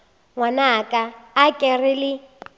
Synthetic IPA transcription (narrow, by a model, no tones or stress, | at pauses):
ŋwanakʼaːkʼɛrɪlɪ